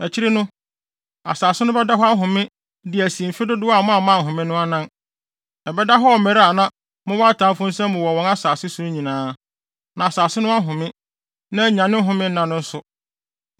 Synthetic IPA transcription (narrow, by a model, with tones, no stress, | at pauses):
æ˨t͡ɕʰi˦ɾi˦nʊ̃˦ | a̰˨saː˨sɪ˦nʊ̃˦bɛ˦da˦ɦɔ˦a˦ɦʊ̃˨mɪ̃˦ | dɪ˨æ˨si˨m̩˨fɪ˦dʊ˦dʊ˦wa˦˨mã˦˨mã˦˨ɦʊ̃˨mɪ̃˦nʊ̃˦a˦nã˦n | ɛ˨bɛ˦da˦ɦɔ˦ɔ˨mɛ˨ɾa˨nã˦ | mʊ̃˦wɔ˦a˦tʰãː˨˦fʊ̃˦n̩˦sɛ̃˦mː˦ʊ̃˨wɔ˨wɔ̃˨na˦saː˨sɪ˦su˨ɾʊ̃˦ɲĩ˨nãː˦ | nã˨saː˨sɪ˦nʊ̃˦a˦ɦʊ̃˨mɪ̃˦ | nã˦˨ɲã˨nɪ̃˦ɦʊ̃˨mɪ̃˦n̩˦nã˨nʊ̃˦n̩˦sʊ˨